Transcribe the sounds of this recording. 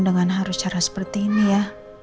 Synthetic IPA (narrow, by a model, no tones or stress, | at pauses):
ndəŋanɦaɾʊst͡ʃaɾasə̥pərt̪iːnija